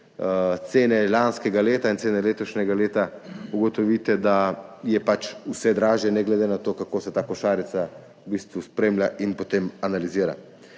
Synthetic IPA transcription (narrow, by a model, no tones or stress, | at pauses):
t̪seːnɛlanskɛɡaleːt̪aint̪seːnɛleːt̪ɔʃnʲɛɡaleːt̪auɡɔt̪ɔʋit̪ɛd̪ajɛpat͡ʃusɛd̪ɾaːʒjɛnɛɡlɛd̪enat̪oːkakoːsɛt̪aːkɔʃaːɾit̪sa | ubiːst̪ʋuspɾeːmljaʔinpot̪eːmanaliziːɾa̰